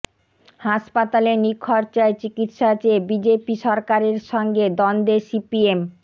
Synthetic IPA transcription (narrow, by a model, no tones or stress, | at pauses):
haʃpat̪alenikʰːɔɾt͡ɕaet͡ɕikit̪ʃat͡ɕebid͡ʑepiʃɔɾkaɾeɾʃɔŋɡed̪ɔnd̪esipiem